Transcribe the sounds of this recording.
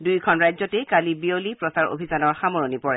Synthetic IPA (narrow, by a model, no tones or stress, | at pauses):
dujkʰɔnɹajzɔtɛkalibiolipɹɔsaɹo̰bʱizanɔɹxamɔɹonipɔɹɛ